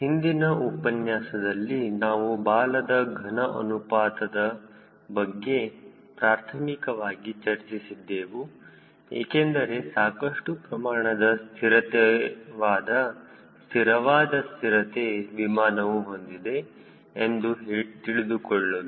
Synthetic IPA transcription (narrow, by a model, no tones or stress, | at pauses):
hind̪inɐʔupɐnjaːsɐd̪ɐlːinaːʋubaːlɐd̪ɐɡʱɐnɐʔɐ̰nupaːt̪ɐd̪ɐ | bɐɡːe̞ | pɾaːɾt̪ʰɐmikɐʋaːɡit͡ʃɐɾt͡ʃisid̪ːeːʋu | ḛːkend̪ɐɾe̞saːkɐʂʈupɾɐmaːɳɐd̪ɐst̪ʰiɾɐt̪eʋaːd̪ɐ | st̪ʰiɾɐʋaːd̪ɐst̪iɾɐt̪eʋimaːnɐʋuɦond̪id̪e̞ː | nd̪ut̪iɭid̪ukɔɭːod̪u